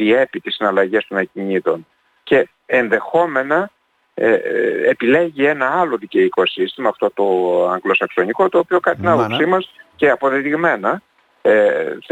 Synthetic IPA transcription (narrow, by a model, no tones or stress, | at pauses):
ie̞pit̪isinɐlɐʝe̞st̪o̞nɐciɲiðo̞n | ce̞ | enðe̞xo̞me̞nɐ | epile̞ʝie̞nɐɐlo̞ðice̞iko̞sist̪imɐːft̪o̞t̪o̞ɐŋɡlo̞sɐkso̞niko̞t̪o̞ːpio̞kɐnit̪inɐpopsimɐsceɐpo̞ðe̞t̪iɣme̞nɐ